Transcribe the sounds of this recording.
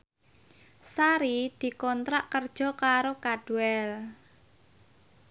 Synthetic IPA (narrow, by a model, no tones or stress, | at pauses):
saɾid̪̥i̤kɔnt̪ɾaʔkərd̥ʒ̥ɔ̤kaɾokaɖ̥uɛl